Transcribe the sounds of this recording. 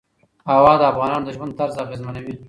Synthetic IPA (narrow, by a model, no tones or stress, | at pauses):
awɑd̪əafɣɑnɑnod̪əʒwand̪̚t̪aɾzaɣezmanawi